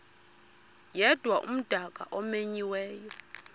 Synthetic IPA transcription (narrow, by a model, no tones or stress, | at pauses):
jɛd̥ʱwaʔṵm̩d̥ʱakʼa̰ʔɔmeɲiwɛːjɔ